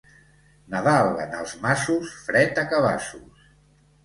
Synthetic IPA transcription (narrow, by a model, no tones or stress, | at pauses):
nəðalə̰nə̰lˠzmasusfɾɛt̪əkəβa̰sus